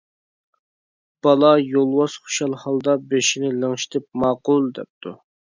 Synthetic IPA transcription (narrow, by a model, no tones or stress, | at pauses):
b̥ɑlˠɑjolˠwɑsχu̥ʃɑlˠhɑlˠd̪ɑbeʃinɪləŋʃi̥t̪ʰɪp̚mɑːqʊlˠd̪ɛ̰p̚t̪ʰu